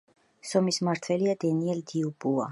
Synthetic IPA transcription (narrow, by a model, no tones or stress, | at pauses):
sɔmismaɾt̪ʰwɛliad̪ɛniɛld̪iubua̰